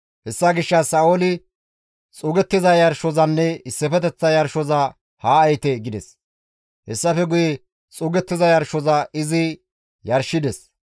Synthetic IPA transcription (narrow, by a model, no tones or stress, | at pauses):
hɛsːɐɡɪʃːɐsɐːolɪ | t͡sʼʊɡɛt̪ːɪzɐjɐɾʃɔzɐnːɛɪsːɛfɛt̪ɛt͡sːɐjɐɾʃɔzɐ | haːɐjt̪ɛɡɪd̪ɛs | hɛsːɐfɛɡʊjɛ | t͡sʼʊːɡɛt̪ːɪzɐjɐɾʃɔzɐɪzɪ | jɐɾʃɪd̪ɛs